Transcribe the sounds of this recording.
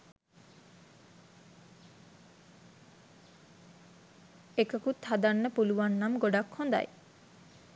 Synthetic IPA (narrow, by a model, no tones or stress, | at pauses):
ekəkut̪had̪anːəpuluʋanːamɡoɖakhond̪a̰j